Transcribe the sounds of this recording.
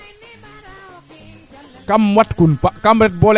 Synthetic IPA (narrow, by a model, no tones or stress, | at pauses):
kamwat̪kunpaʔkamɾɛt̪̚bol